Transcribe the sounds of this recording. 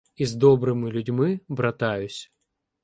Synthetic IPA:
izd̪ɔbɾɨmɨlʲʊdʲmɨbɾɐt̪ajʊsʲ

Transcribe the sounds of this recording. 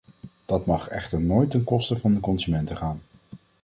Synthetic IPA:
d̥ɑtmɑχɛ̰χtəɹnoːjtənkɔstəvɑndəkɔnzymɛntəχaːn

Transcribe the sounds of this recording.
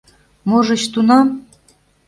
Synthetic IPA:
moʒɤ̆t͡ɕt̪unɑm

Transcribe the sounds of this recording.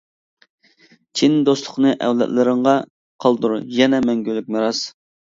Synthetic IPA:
t͡ʃʰind̪oslˠʊχnɨʔɛ̰wlɛ̰t̪lɨɾɨɴʁɑ | qʰɑlˠd̪uɾujɛnɛmɛŋɡʲylːyk̚ʲmeɾɑs

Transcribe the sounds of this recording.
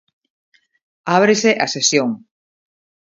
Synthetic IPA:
aβɾeseʔasesjoŋ

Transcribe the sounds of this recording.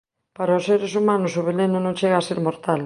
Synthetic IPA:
paɾaoseɾesumanʊsoβ̞elenʊ̃nõŋt͡ʃeɣaaseɾmoɾt̪al

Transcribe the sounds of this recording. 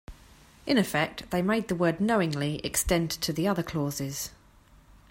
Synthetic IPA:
ʔɪ̃ñɪfɛk̚tðeɪmeɪd̪̚ðəwɜːdⁿnəʊɪ̃ŋliɛ̰kstɛ̃ntʰəðiʌðəkʰl̥ɔːzɪz̥

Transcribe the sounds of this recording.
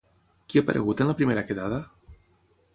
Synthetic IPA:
kiapa̰ɾʔḛɣut̪enlapɾimeɾakeðaða

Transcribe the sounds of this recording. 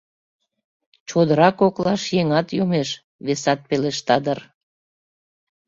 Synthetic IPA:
t͡ɕod̪əɾɑkoklɑʃjeŋɑt̪jomeʃ | βesɑt̪̚peleʃt̪ɑd̪ər

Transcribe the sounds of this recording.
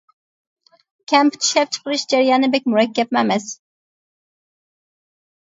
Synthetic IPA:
kʲʰɛmpʰy̥t̪ʰi̥ʃlɛp̚t͡ʃʰə̥qəɾɨʃd͡ʒæɾijɑːnɨbɛk̚ʲmuɾɛkʲːɛp̚mɛmɛs

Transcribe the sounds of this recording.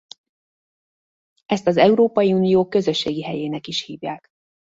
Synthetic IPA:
ɛst̪ɒzɛuɾoːpɒjiunijoːkːø̞zø̞ʃːeːɡiɦɛjeːnɛkiʃhiːvjaːk

